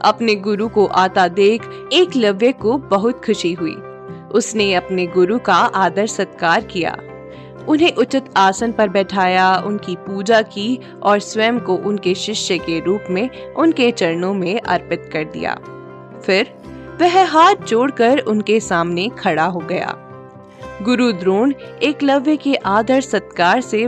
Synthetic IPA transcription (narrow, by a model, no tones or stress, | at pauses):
ɐpneɡʊɾukoʔaːt̪ad̪eːkʰ | eːklɐʋjəkobɐɦʊt̪kʰʊʃiɦʊḭː | ʊsneɐpneɡʊɾukaaːd̪əɾsɐt̪kaːɾkija̰ː | ʊnɦẽʔʊt͡ʃɪt̪aːsənpɐɾbɛːʈʰaːjaʊnkipuːd͡ʒaki | ɔːɾswɛːmkoʔʊnkeʃɪʃjəkeɾuːpmẽʊnket͡ʃɐɾnõmẽʔɐ̰ɾpɪt̪kɐɾd̪ḭja̰ː | fɪɾ | ʋɛɦɦaːɾd͡ʒoːɽkɐɾʊnkesaːmnekʰɐɽaɦoɡɐja̰ː | ɡʊɾud̪ɾoːneːklɐʋekeʔaːd̪əɾsɐt̪kaːɾse